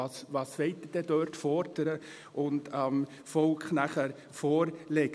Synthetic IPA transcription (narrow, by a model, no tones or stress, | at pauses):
ɑsvɑːsʋeɪt̚əd̥ɛdøːɾtfɔɾd̥əɾə | ʔʊndɑm | fɔlkχnæχæɾ | foːɾlɛɡ